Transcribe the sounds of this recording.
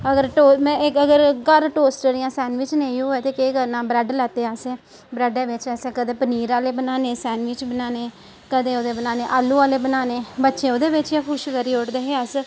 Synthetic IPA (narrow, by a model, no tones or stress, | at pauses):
əɡəɾʈoːmɛ̃ːɪkəɡəɾɡəɾʈoːsʈəɾɪjãːsɛːnʋɪt͡ʃneːiɦoːɛːt̪eːkeːkəɾnãːbɾɛɖlat̪ːeːaːsɛː | bɾɛɖeːʋɪt͡ʃəsɛːkəd̪ẽːpəniːɾaːleːbənaːneːsɛːnʋɪt͡ʃbənaːneː | kəd̪eːoːd̪eːbənaːneːʔaːlːuːaːleːbənaːneːbətːʃẽːoːd̪eːʋɪt͡ʃjaːkʰʊʃkəɾiːʊʈd̪eːɦeːəs